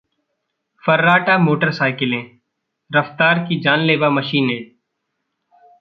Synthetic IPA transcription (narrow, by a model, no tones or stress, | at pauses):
fəɾːaːʈaːmoːʈəɾsaːɪkɪlẽː | ɾəft̪aːɾkid͡ʒaːnleːbaːməʃiːnɦẽː